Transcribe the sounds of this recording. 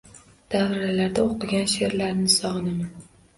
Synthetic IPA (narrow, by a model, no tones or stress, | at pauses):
d̪̥avɾɾalaɾd̪aoqʰɨɡʲanʃe̞ɾlaɾnɪsɒʁnɪman